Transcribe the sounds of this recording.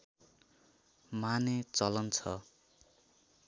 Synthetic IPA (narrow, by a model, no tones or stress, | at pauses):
manet͡sʌlʌnt͡sʰʌ